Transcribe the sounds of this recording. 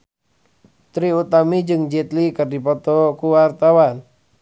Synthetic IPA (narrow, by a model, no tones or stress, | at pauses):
t̪ɾiut̪amid͡ʒɨŋd͡ʒɛt̪likɨrdipɔt̪ɔkuwart̪awan